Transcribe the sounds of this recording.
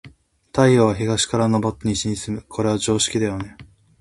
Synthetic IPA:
t̪aijoβaçiɡaɕi̥kaɾano̞bo̞t̪ːaɲ̟iɕiɲ̟isɨmɯ̟kʰo̞ɾe̞β̞ad͡ʑo̞ːɕi̥kʲid̪ajo̞ne̞

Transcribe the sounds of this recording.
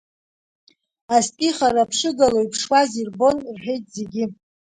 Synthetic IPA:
astʼiχaɾapʰʂɨɡalojpʰʂwazirbo̞nrħᶣe̞jtʼze̞ɡʲi

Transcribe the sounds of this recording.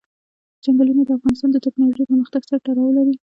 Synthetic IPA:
d͡ʒaŋɡalunad̪əafɣɑnɪst̪ɑnd̪ət̪aknɑloʒejpəɾməxt̪aɡsaɾaʈaɾawəlaɾi

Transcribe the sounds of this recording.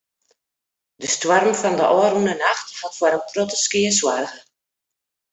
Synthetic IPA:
d̥əstwɔrmfɔndəʔɔːrmnənaxthatfaɾənprotəskiəswarɣə

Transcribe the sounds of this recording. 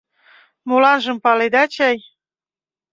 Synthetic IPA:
mulɑnʒɤ̆mpɑled̪ɑt͡ɕɑj

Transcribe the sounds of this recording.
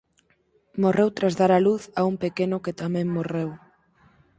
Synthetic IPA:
morewt̪ɾazðaɾaluθaumpekenʊket̪amɛ̃ŋmorew

